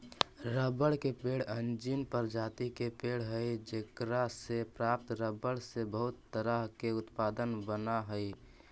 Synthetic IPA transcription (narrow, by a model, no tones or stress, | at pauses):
ɾəbəɽkepeɽənd͡ʒinpəɾd͡ʒaːt̪ikepeɽ̤ɦəjd͡ʒekɾasepɾaːp̚t̪ɾəbəɽsebəɦʊt̪ːəɾəɦkeʊt̪paːd̪ənbənaɦəi